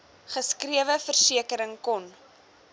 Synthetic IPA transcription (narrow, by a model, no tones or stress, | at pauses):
χəskriəvəfərsiəkəɾəŋkɔn